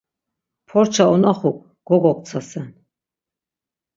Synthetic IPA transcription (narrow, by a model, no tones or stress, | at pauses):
pʰɔɾt͡ʃʰaɔnaχukʼ | ɡ̥ɔɡɔk̪̚ʼt͡s̪ʰasɛn